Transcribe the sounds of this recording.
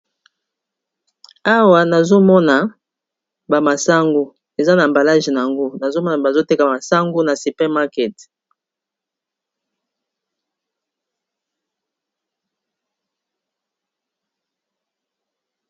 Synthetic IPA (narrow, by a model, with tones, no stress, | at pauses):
a˦wa˨na˨zo˦mɔ˦na˨ | ba˨ma˨sa˦ŋɡu˨ | e˨za˦na˨mba˨la˦ʒi˨na˨a˨ŋɡo˦na˨zo˦mɔ˦na˨ba˨zo˦te˦ka˨ma˨sa˦ŋɡu˦na˨si˨pɛ˦ma˦kɛ˨t